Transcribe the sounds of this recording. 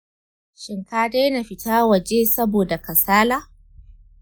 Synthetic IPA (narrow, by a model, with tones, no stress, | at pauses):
ʃɪ˨ŋkaː˦deː˦na˨ɸɪ˦taː˦wɐ˨d͡ʒeː˦sɐ˦boː˨da˨kɐ˨saː˦laː˦